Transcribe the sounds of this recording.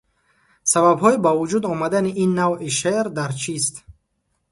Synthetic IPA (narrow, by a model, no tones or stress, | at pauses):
sababɦɔibavud͡ʒud̪ɔmad̪aniʔinːaviʃeɾd̪aɾt͡ʃʰist̪